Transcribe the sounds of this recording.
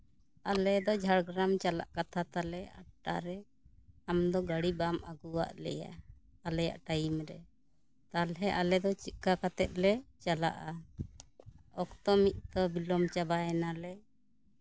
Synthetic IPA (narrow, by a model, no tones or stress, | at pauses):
alɛd̪ɔd͡ʒʱaɽɡɾamt͡ʃala̰ʔkat̪ʰat̪alɛa̰ʈːa̰ɾɛ | amd̪ɔɡaɽibamaɡuwa̰ʔlɛ̰ja̰alɛja̰ʔʈajimɾɛ | t̪alɦɛʔalɛd̪ɔt͡ʃit̪̚kakat̪ɛt̪̚lɛt͡ʃala̰ʔa | ɔkt̪ɔmit̪̚t̪ɔbilɔmt͡ʃabaɛnalɛ